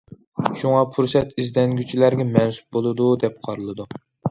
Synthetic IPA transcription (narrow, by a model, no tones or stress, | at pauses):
ʃuŋɑpʰuɾsɛt̪izd̪ɛŋɡʲyt͡ʃʰilæɾɡʲɛmɛnsu̥p̚bolˠɨd̪ud̪ɛp̚qʰɑɾɨlˠɨd̪u